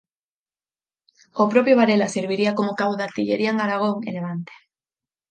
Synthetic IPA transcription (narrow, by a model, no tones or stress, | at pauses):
opɾopjoβaɾelaseɾβ̞iɾiakomʊkaβoðat̪iʎeɾiaeŋaɾaɣ̞oŋḛleβ̞ant̪e̥